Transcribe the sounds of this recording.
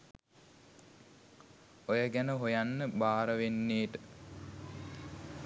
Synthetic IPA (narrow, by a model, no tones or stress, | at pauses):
ojəɡænəɦojanːəbaːɾəʋenːeːʈə